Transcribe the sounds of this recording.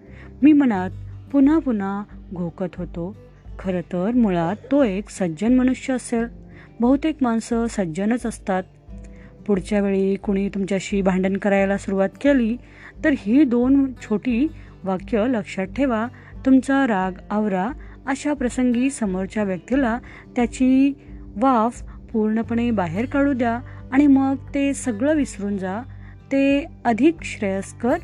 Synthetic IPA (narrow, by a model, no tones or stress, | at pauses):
miːm̤əɽ̃at̪̚pun̤apun̤aɡʱokət̪ɦot̪o | kʰəɾət̪əɾmuɭat̪ːoeksəd͡ʑənməñuɕjəːsel | bəɦut̪ekmansəsəd͡ʑənət͡səst̪at̪̚ | puɽt͡ɕjaʋeɭikuɽ̃iːt̪umt͡ɕjaɕiːbʱãɳɖənkəɾajlasuɾuʋat̪keli | t̪əɾɦiːd̪ont͡ɕʰoʈiː | ʋakjələkʂaʈʰːeʋa | t̪umt͡saɾaɡaʋɾa | əɕapɾəsəŋɡiːsəməɾt͡ɕaʋjək̚t̪ila | t̪jat͡ɕiʋafpuɾɳəpəɳ̃ebaɦeɾkaɭud̪jaːɽ̃iməɡt̪esəɡɭəʋisɾuːnd͡za | t̪eəd̪ʱikɕɾəjəskəɾ